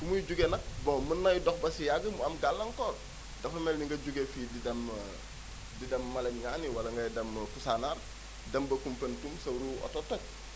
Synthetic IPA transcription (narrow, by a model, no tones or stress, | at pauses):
kumujɟuɡenɐk̚bɔŋmunːɐjdɔxbɐsijaɡəmuɐmɡalːɐŋkɔːr | dɐfɐmɛlniŋɡɐɟuɡefididɐm | didɐmːɐlɐɲɲaːniwɐlɐŋɡɐjdɐmkusanaɾ | dɐmbɐkumpɐntumsɐɾuɔ̰totok̚